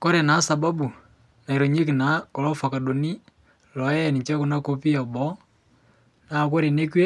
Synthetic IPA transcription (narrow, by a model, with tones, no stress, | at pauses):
ko˦ɾe˨na˨˦sa˨ba˦bu˨ | na˨i˨ɾo˨ɲe˦ki˨na˨˦kɔ˨lo˦fa˨ka˨ɗo˨ni˦ | lɔ˨˦jɛ˦˨ni˨t͡ʃa˦ku˨na˦ko˦pi˦a˨bɔ˦ | na˨ko˦ɾe˨ne˦kwe˦